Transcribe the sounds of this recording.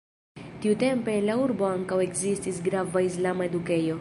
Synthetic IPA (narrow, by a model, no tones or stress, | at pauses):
tiute̞mpe̞ːnlauɾbo̞aŋkawe̞kzistisɡɾavaislamae̞duke̞jo̞